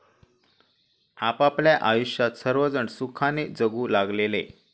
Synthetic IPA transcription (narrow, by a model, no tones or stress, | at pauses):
apapljaʔajuɕjat̪səɾʋəd͡zəɳsukʰaned͡zəɡuːlaɡlelḛ